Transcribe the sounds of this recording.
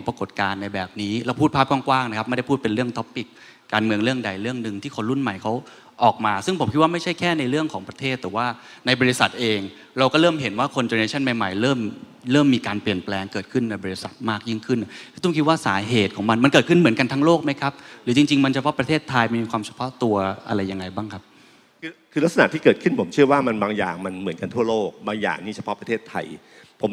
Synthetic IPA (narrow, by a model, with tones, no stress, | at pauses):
ŋpɾa˧ko˨˩t̪̚kaː˧nːa˧jbɛː˨˩p̚niː˦˥laː˦˥wpʰuː˥˩t̪̚pʰaː˥˩p̚kwaː˥˩ŋkwaː˥˩ŋna˦˥kʰa˦˥ma˥˩da˥˩pʰuː˥˩t̪̚pe˧nɾɯ˥˩əŋt̪ʰɔ˦˥pːi˨˩kː | aː˧nmɯ˧əŋɾɯ˥˩əŋda˧jɾɯ˥˩əŋnɯ˨˧ŋt̪ʰiː˥˩kʰo˧nɾu˥˩nma˨˩jkʰa˦˥w | ʔɔː˨˩k̚maː˧sɯ˥˩ŋpʰo˩˦mkʰt̪̚waː˥˩ma˥˩jt͡ɕʰa˥˩jkʰɛː˥˩na˧jɾɯ˥˩əŋkʰɔː˩˦ŋpɾa˧t̪ʰeː˥˩t̪ːɛː˨˩waː˥˩na˧jbɔː˧ɾi˦˥sa˨˩t̪̚ʔeː˧ŋ | ɾa˧wkɔː˥˩ɾɤː˥˩mɦe˩˦nwaː˥˩kʰo˧nt̪eː˧neː˧˥t͡ɕʰa˥˩nma˨˧jma̰˨˩jɾɤː˥˩m | ɾɤː˥˩mːiː˧kaː˧npli˨˩ənplɛː˧ŋkɤː˨˩t̪̚kʰɯ˥˩nːa˧jbɔː˧ɾi˧˦˥sa˨˩t̪̚maː˥˩k̚ji˥˩ŋkʰɯ˥˩nːʔʰɯ˥t̪ʰkʰi˦˥t̚waː˥˩saː˩˦ɦeː˨˩t̪̚kʰɔː˩˦ŋma˧nma˧nkɤː˨˩t̪̚kʰɯ˥˩nmɯ˩˦nka˧nt̪ʰaː˧˥ŋloː˥˩k̚ma˦˥jkʰa˦˥p̚ɾɯː˩˦t͡ɕi˧ŋt͡ɕi˧ŋma˧nt͡ɕʰa˧pʰɔ˦˥pɾa˧t̪ʰeː˥˩t̪ʰːa˧jma˧˩jmiː˧˩kwaː˧mt͡ɕʰḁ˧pʰɔ˦˥ʔt̪u˧ɐʔa̰˧ɾa˧jːa˧ŋːa˧jbaː˥˩ŋkʰa˦˥p̚ | kʰɯː˧kʰɯː˧la˦˥k̚sa˧na˨˩t̪ʰiː˥˩kɤː˨˩t̪̚kʰɯ˥˩npʰo˩˦mt͡ɕʰɯ˥˩ɐwaː˥˩ma˧nbaː˧ŋja̰ː˨˩ŋma˧nmɯ˩˦ənka˧nt̪ʰu˥˩ɐloː˥˩k̚baː˧ŋja̰ː˨˩ŋniː˥˩t͡ɕʰa˧˩pʰɔ˦˥pɾa˧t̪ʰeː˥˩t̪ʰːa̰˧j | pʰo˩˦m